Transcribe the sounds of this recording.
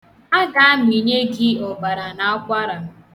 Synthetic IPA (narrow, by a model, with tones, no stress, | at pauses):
a˦ɡa˨a˦m˨i˨ɲe˦ɡɪ˦o˨ba˨ɾa˨na˦ɔ˦kʷa˦ɾa˨m̩˦